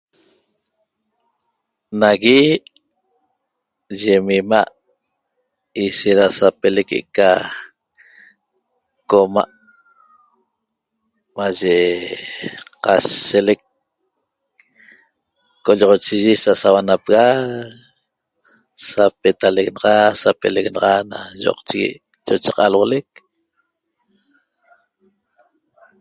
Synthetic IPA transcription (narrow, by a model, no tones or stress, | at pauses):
naɣi | ʒemima̰ʔ | iʃeɾasapelekeʔka | koma̰ʔ | maʒe | qaselek | kːoʎɔʁot͡ʃiʒisasawanapɣa | sapet̪aleɣnɑʁɑsapeleɣnɑʁɑna̰ʒo̰qt͡ʃiɣḭʔ | t͡ʃot͡ʃeqɑalwolek̚